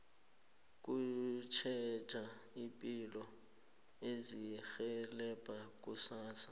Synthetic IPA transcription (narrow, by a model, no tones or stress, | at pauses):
k̬ʼut͡ʃʰɛt͡ʃʼaipʼilɔ | ezixɛlɛpʼak̬ʼusaːsḁ